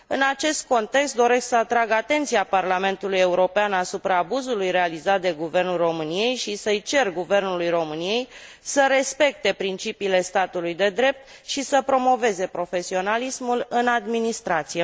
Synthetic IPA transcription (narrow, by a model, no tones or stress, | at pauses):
ɨnat͡ʃe̞st̪̚ko̞nt̪e̞kst̪̚d̪o̞ɾe̞sksəat̪ɾaɡat̪e̞nt̪siaparlame̞nt̪uluje̞uɾo̞peanasupɾaːbuzulujɾe̞alizat̪̚d̪e̞ɡuve̞rnulro̞mɨnije̞jʃisəjt͡ʃe̞rɡuve̞rnulujro̞mɨnije̞j | səɾe̞spe̞k̚t̪e̞pɾint͡ʃipiːle̞st̪at̪ulujd̪e̞d̪ɾe̞p̚t̪ʃisəpɾo̞mo̞ve̞ze̞pɾo̞fe̞sio̞nalismulɨnad̪minist̪ɾat̪sije